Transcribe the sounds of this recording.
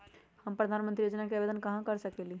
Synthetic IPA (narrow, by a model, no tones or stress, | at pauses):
həmpɾəd̪ʱanmə̃nt̪ɾijod͡ʒənakeabed̪ənkəɦãkəɾsəkɛli